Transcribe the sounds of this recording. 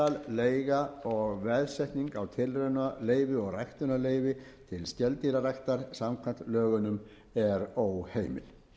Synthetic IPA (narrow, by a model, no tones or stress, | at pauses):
alleːjɣaɔɣvɛðsɛjht̪niŋkawt̪ʰɪlrenaleːjvɪɔɣrajht̪ʏnaleːjvɪt̪ʰɪlscɛlt̪iɾarajht̪aɾ̥samkʰvant̪lœːɣʏnʏm | ɛɾowheːjmɪ̰l̥